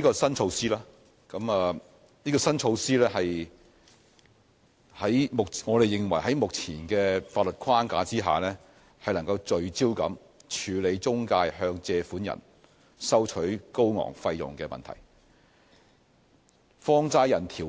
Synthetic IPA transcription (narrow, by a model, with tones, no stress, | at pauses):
i˥kɔː˧sɐ˥nt͡ʃʰo˧wsiː˥laː˥ | kɐ˨˥maː˨ | niː˥kɔː˧sɐ˥nt͡ʃʰo˧wsiː˥lɛː˥ɦɐ˨j | hɐ˨˥jmʊ˨k̚ŋɔː˨˧ɾe˨jɪ˨ŋwɐ˨˩jɦɐ˨˥jmʊ˨k̚t͡sʰiː˨˩nkɛː˧faː˧t̚lɵ˨t̚kʰwaː˥nka̰ː˨˥t͡siː˥ɦa̰ː˨˩lɛː˥ | hɐ˨jlɐ˨˩ŋkɐ˧wt͡ʃɵ˨˧ɥt͡siː˥wkɐ̰˨˥m | t͡ʃʰyː˨˧le˨˧jt͡sʊ˥ŋkaː˧jhœː˧ŋt͡sɛː˧fuː˨˥njɐ̰˨˩n | sɐ˥wt͡ʃʰɵ˨˥ɥko˥wŋɔ̰ː˨˩ŋfɐ˧jjʊ̰˨ŋkɛː˧mɐ̰˨nt̪ʰɐ̰˨˩j | fɔː˥ŋt͡saː˥jɐ˨˩nt̪ʰiː˨˩